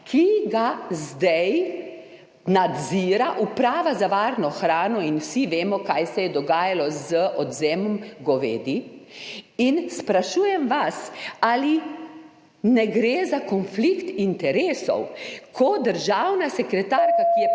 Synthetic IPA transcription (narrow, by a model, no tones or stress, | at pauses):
kʰiɡazd̪ɛj | nad̪ziːɾaʔupɾaːʋazaʋaːɾnɔxɾaːnɔinwsiʋeːmɔkajsɛjɛd̪ɔɡaːjalɔzəʔɔd̪zeːmɔmɡɔʋḛːd̪i | inspɾaʃuːjɛmʋasaːli | nɛɡɾeːzakɔnflikt̪int̪ɛɾeːsɔ̰wkʰɔd̪əɾʒawnasɛkɾɛt̪aɾkakijɛ